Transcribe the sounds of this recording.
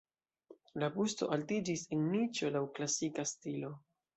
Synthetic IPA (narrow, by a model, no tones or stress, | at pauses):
labusto̞̰ʔaltid͡ʒisenːit͡ʃo̞lawklasikastilo̞